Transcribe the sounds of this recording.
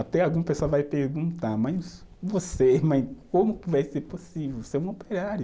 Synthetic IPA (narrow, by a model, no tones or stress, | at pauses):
at̪ɛawɡũɐpesoɐvajpeɾɡũnt̪amɐjs | vosemɐ̃j̃kõmʊkɪvajseɾposivewseũopeɾaɾjʊ